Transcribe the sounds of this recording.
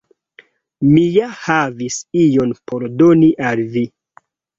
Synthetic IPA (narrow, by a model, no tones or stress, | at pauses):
mijahavisijo̞npʰo̞ɾdo̞niʔalvi